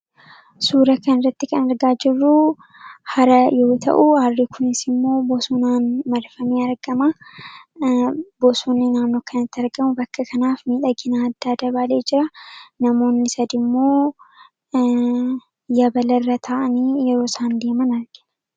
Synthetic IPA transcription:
suːɾɐkɐnɪrːɐt̪ːɪkɐnɐɾɡaːd͡ʒɪrːu | hɐɾɐjo̞ːt̪ʰɐ̰ʔʊharːɪkʰʊnɪsɪmːo̞ːbɔsuːnaːnmɐɾfɐmeːɐɾɡɐma | bɔsuːnːɪnaːnːoːkʰɐnɐt̪ːɪɐɾɡɐmʊbɐkːɐkʰɐnaːfmiːᶑɐɡɪnaːd̪ːaːd̪ɐbaːle̞ːd͡ʒɪɾɐnɐmo̞ːnːɪsɐd̪ɪmːo̞ː | jɐbɐlɐrːɐt̪ʰaːʔɐniːjɛɾo̞ːsaːnd̪eːmɐnɐɾɡ̥ɪ̥

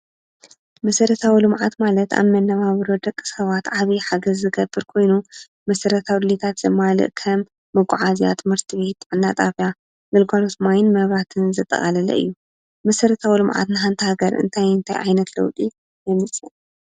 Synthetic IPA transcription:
mɐsɐɾɐt̪ʰawilɨmʕa̰t̪malɐt̪a̰βmɐnːɐβaβɾod̪ɐkʼːɨ̥sɐβat̪ʕaβiħaɡɐzːɨɡɐbːɨɾkʰo̞jnu | mɐsɐɾɐt̪ʰawd̪ɨlit̪ʰat̪zɐmalɨ̰ʔkʰɐmː | ɨɡʷʼʊʕazija̰t̪ʰɨmɨɾt̪ʰɨβe̞t̪ʕɨnːat̪ʼafja | ɡɨlɡʷalot̪majnmɐβɾat̪ʰɨnzɨt̪ʼːɐ̰χʼalɐlɐ̰ʔɨ̰jːu | mɐsɐɾɐt̪ʰawilɨmʕa̰t̪nɨɦant̪ʰɐhaɡɐɾʔɨ̰nt̪ʰajɨnt̪ʰajʕa̰jnɐt̪lɐ̰wt̪ʼi | jɛmɨt͡sʼːɨl

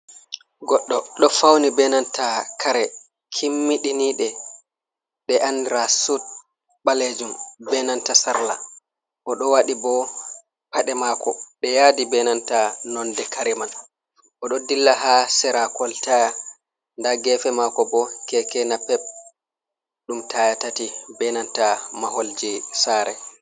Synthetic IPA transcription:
ɡɔɗːɔɗɔfawnibɛnantakʰaɾɛ | kʰimːiɗiniɗɛ | ɓɛʔanɾasut̚ | ɓaled͡ʒumbɛnantasaɾla̰ | ʔɔɗɔwaɗibɔ | paɗɛmaːkʰɔɗɛjadibɛnantanɔndɛkaɾiman | ʔɔɗɔdilːaɦasɛɾakɔltaja | ndaɡɛfɛmakɔbɔkɛkɛnapːɛɓ̚ | ɗumtajatatibɛnantamaɦold͡ʒisaːɾɛ

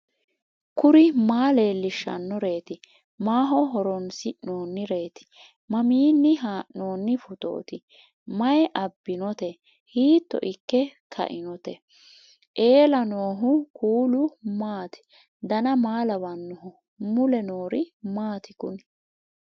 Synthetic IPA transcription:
kʊɾɪmaːle̞ːlːɪʃːɐ̰nːɔɾe̞ːt̪ɪ | maːɦɔɦɔɾɔnsɪnoːnːɪɾe̞ːt̪ɪ̥ | mɐmiːnːɪɦaːʔno̞ːnːɪfʊt̪o̰ːt̪ɪ | mɐjɛʔɐbːɪnɔt̪ɛ | hiːt̪ːɔ̰ʔɪkːɛkʰɐ̰ʔɪnɔt̪ɛ | ʔe̞ːlɐnoːɦʊkʰuːlʊmaːt̪ɪ̥ | d̪ɐnɐmaːlɐbɐnːɔɦʊ | mʊlɛnoːɾɪmaːt̪ɪkʊ̰n

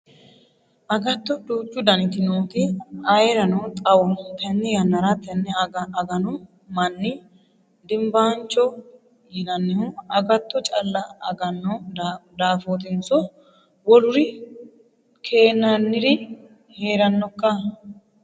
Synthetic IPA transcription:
ʔɐɡɐt̪ːɔd̪uːt͡ʃʼːʊd̪ɐnɪt̪ɪnoːt̪ɪɐjɾɐnɔt̪ʼɐwɔt̪ɛnːɛjɐnːɐɾɐt̪ɛnːɛɐɐɡɐnʊ | mɐnːɪ | d̪ɪmbaːnt͡ʃːɔ | jɪnɐnːhʊɐɡɐt̪ːɔt͡ʃʼɐlːɐɐ̰ɡɐnːɔd̪aːfot̪̬ɪnsɔ | wɔlʊɾɪ | kʰe̞ːnːɐnːɪɾɪ | heːɾɐnːɔkːɐ

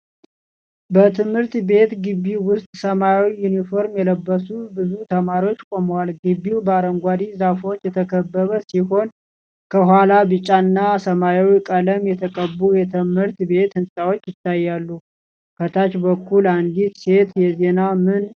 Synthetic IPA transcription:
bət̪ʰɨmhɨɾt̪be̞t̪ɡɨbːiwʊst̪ʼsəmajwijunifo̞ɾmjɛləbːəsubɨzut̪ʰəmaɾio̞t͡ʃːkʼoməwalɡɨbːiwbəaɾəŋɡʷad̪izafo̞t͡ʃːjɛt̪ʰəkʰəbːəβəsiho̞n | kʰəɦwalabɨt͡ʃʼːanːasəmajawikʼələmjɛt̪ʰəkʼəbːujɛt̪ʰɨmhɨɾt̪be̞t̪hɨnsʼawo̞t͡ʃːjɪt̪ʰːajːalːu | kʰət̪ʰat͡ʃbəkʰːuland̪it̪se̞t̪jɛze̞namɨn

